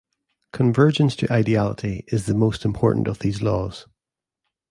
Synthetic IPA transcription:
kʰə̃ɱvɜ˞d͡ʒə̃nstʰəʔaɪdialˠɪʔiʔɪzðəmostɪ̃mpʰɔɹʔn̩ʔə̰vðiːzlˠɔːz̥

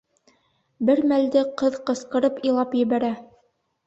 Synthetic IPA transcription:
bɘɾmæld̪ɘqɤðqɤ̆sqɤ̆ɾɤpilˠɑpjɘ̆βæɾæ

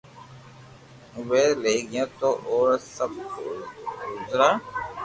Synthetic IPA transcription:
ʋeːleːɡɪjãːt̪oːʔoːɾsəbkː | ɡʊzɾaː

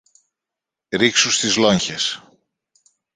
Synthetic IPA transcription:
ɾiksust̪izlo̞ɲçes

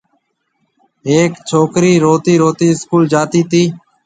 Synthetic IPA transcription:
ɦeːkt͡ʃʰoːkɾiːɾoːt̪iːɾoːt̪iːɪskuːld͡ʒaːt̪iːt̪iː

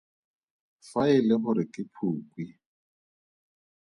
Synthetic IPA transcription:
faɪlɛbʊɾɪkʼɪpʰuːkʼwi

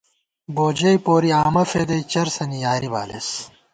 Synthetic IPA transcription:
boːd͡ʑɐjpoːɾiaːmɐfed̪ɐjt͡ɕɐɾsɐnijaːɾiba̰ːlḛs

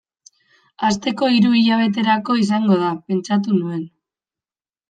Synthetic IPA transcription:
ast̪e̞ko̞iɾuiʎaβ̞e̞t̪̬e̞ɾako̞is̬aŋɡo̞ð̞ape̞nt͡ʃat̪̬unue̞n

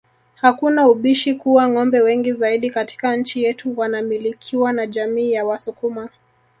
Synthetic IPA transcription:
hakunauɓiʃikuwaŋɔmbɛwɛŋɡizaiɗikati̥kaɲ̩t͡ʃijɛtuwanamilikʰiwanaʄamiːjawasukuma

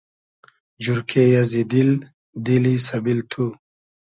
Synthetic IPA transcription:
d͡ʑuɾkʰejɐzid̪il | d̪ilisɐbilt̪ʰu

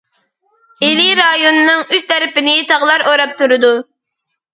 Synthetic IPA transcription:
eliɾɑjonɨnɨŋyst̪ʰɛɾɪpɪnɪt̪ʰɑʁlˠɑɾoɾɑp̚t̪ʰuɾɨd̪u

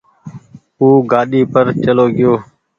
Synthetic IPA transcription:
uːɡaːɗiːpəɾt͡ʃəloːɡɪjoː

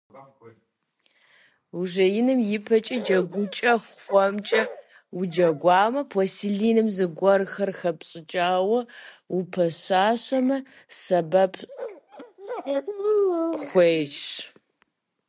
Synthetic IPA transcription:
uʒɐjɪnɨmjɪpʰɐt͡ʃʼɐd͡ʒɐɡʷʊt͡ʃʼɐχʷɔmt͡ʃʼɐ | ud͡ʒɐɡʷɑːmɐpʰosiɮiːnɨmzɨɡʷɔrxɐrxɐpɕʼɪt͡ʃʼaːwɐupʰɐɕaːɕɐmɐ | sɐbɐpʰ | xʷeːʃ

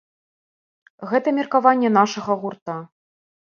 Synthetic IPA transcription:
ɣɛt̪ɐmʲirkavanʲːɛnaʂɐɣɐɣurt̪a

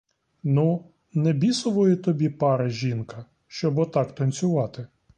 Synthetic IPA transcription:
nu | nɛbʲisʊʋɔjʊt̪ɔbʲipɑɾɪʒʲinkɐ | ʃt͡ʃɔbɔt̪ɑkt̪ɐnʲt͡sʲʊʋɑt̪ɪ

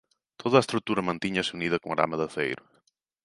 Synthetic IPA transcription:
t̪ʰoðɐːest̪ɾuk̚t̪uɾɐmɐ̃nt̪iɲɐsɪuniðɐkoŋɐɾa̰mɐðɐθḛjɾʊ

